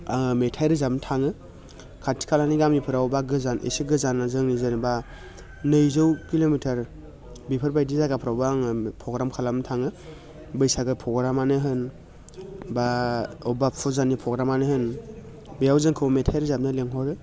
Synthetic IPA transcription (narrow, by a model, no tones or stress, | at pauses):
ametʰajɾɯzabntʰaŋɯ | kʰatʰi̥kʰalaniɡamipʰɯɾawbaɡɯzanʔḛsiɡɯzanazɯŋnizɯnba | nɯjzɯwkilomitʰaɾ | bipʰɯɾbajdizaɡapʰɾawbɯaŋpʰɾɔɡɾamkʰalabntʰaŋɯ | bɯjsaɡɯpʰɔɡɾamanɯɦɯn | baɔbapʰɔzanipʰɾɔɡɾamanɯhɯn | bijawzɯŋkʰɯwmetʰajɾɯzab̚nɯleŋɦɔɾɯ